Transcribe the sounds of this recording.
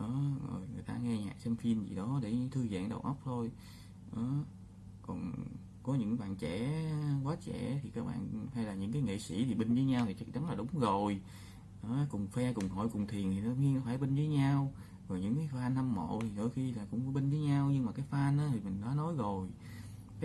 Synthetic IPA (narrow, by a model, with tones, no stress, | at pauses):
ʔɔ˨˦zo̰˨˩jŋɨ˨˩əjt̪aː˧ŋɛ˧ɲa̰ː˧˨sə˧mfi˧ənzḭ˨˩ɗɔ˨˦ɗe˧˩˦t̪ʰɨ˧za̰ː˧˨ŋɗə̰˨˩wʔə˦˥wk͡p̚t̪ʰo˧j | ʔɔ˨˦ | kɔ˨˩n | kɔ˨˦ɲɨ̰˧˥ŋɓa̰ː˧˨nt͡ɕɛ˧˩kwaː˨˦t͡ɕɛ̰˧˩˨t̪ʰi˨˩kaː˦˥k̚ɓa̰ː˧˨nhjlaː˨˩ɲɨ̰˧˥ŋkaː˨˦jŋḭ˧˨sḭ˧˩t̪ʰi˨˩ɓï˧ŋ̟vəː˨˦jɲaː˧wt̪ʰi˨˩t͡ɕa˦˥k̚t͡ɕa˨˦nlaː˨˩ɗʊ˨˦ŋ͡mɣo˨˩j | ʔɔ˨˦kʊ˨˩ŋ͡mfɛ˧kʊ˨˩ŋ͡mɦɔ̰˧˩˨jkʊ˨˩ŋ͡mt̪ʰi˨˩ənt̪ʰi˨˩n˨˧ŋi˧ənɔ˨˦faː˧˩jɓï˧ŋ̟vəː˨˦jɲaː˧w | zo˨˩jɲɨ̰˧˥ŋkaː˨˦jfaː˧nha˧mːo̰˧˨t̪ʰi˨˩zo˧˨˩jxi˧laː˨˩kʊ̰˧˥ŋ͡mkɔ˨˦ɓi˧ŋvəː˨˦jɲa˧wɲɨ˧ŋŋ͡mmaː˨˩kaː˨˦jfaː˧nʔaː˨˦t̪i˨˩mï˨˩ŋ̟vaː˨˦no˨˦jɣo˨˩j